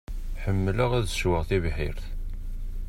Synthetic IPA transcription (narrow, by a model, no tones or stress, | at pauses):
ħəmːələʁæðʃwəʁθivħḭɾθ